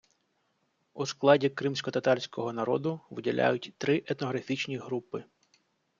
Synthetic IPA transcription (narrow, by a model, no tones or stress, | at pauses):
usklˠɑdʲikɾɪmsʲkɔt̪ɐt̪ɑlʲsʲkɔɦɔnɐɾɔd̪ʊʋɪdʲɐlʲa̰jʊtʲt̪ɾɪʔɛt̪nɔɦɾɐfʲit͡ʃnʲiɦɾupɪ